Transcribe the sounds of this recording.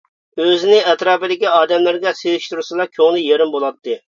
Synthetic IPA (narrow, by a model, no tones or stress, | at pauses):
øzɪnɪɛt̪ɾɑːpɪd̪ɪkʲiɑːd̪ɛmlæɾɡʲɛsezɪʃt̪uɾsɨlˠɑkʲʰøŋlˠɪjeɾɪmbolˠɑt̪ːɨ